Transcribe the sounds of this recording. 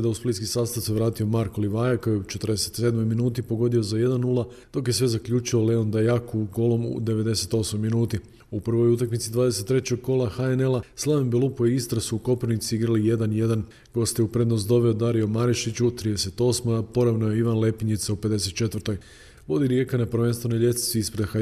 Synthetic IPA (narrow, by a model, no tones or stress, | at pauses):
d̪ausplit̪skisaːst̪aʋse̞ʋɾaːt̪io̞maɾkoliʋajakojeut͡ʃe̞t̪ɾd̪e̞se̥t̪sed̪mo̞jminuːt̪ipo̞ɡo̞d̪io̞zaje̞d̪anːulˠa | d̪̥o̞kje̞sʋe̞zakʎʲuːt͡ʃio̞le̞o̞nd̪ajakuɡo̞lˠo̞mṵd̪e̞ʋe̞d̪e̞se̞t̪o̞smo̞jminuːt̪i | upr̩ʋo̞jut̪akmit̪sid̪ʋaːd̪e̞se̞t̪ːɾe̞t͡ɕoɡ̚ko̞lˠaxaene̞laslˠaʋembelˠupujiist̪ɾasuːko̞pɾonit̪siiɡɾalije̞d̪anje̞d̪an | ɡ̥o̞st̪jeupɾe̞d̪no̞st̪d̪o̞ʋe̞od̪aɾiomaɾiʃit͡ɕut̪ɾiːd̪ese̞t̪o̞smojapo̞ɾaʋnajeiʋanle̞piɲit̪saupe̞d̪e̞s̬e̞t̪̚t͡ʃe̞t̪ʋəɾt̪o̞j | ʋo̞d̪iɾjekanapɾ̩ʋe̞nst̪ʋe̞nojʎe̞t̪i̥t̪sʋiispɾe̞d̪xa